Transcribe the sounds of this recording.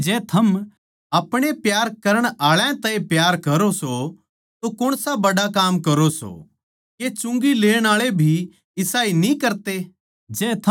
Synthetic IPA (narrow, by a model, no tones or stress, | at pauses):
d͡ʒɛːt̪ʰɐm | ɐpɽ̃epjaːɾkɐɾəɽ̃aːɭãt̪ãːĩpjaːɾkɐɾoso | t̪okʊɽ̃sabɐɽakaːmkɐɾoso̰ | ket͡ʃʊ̃ŋɡileːɽ̃aːɭebʱi | ɪsaːinĩkɐɾt̪eː | d͡ʒɛːt̪ʰ